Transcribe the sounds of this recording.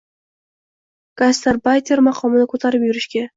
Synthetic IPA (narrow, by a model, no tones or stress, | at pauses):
ɡ̥ast̪eɾbajt̪ʰʲeɾmaqʰɒmɪnɪkʰɵt̪ʰaɾɪpjʊɾɪʃkʲa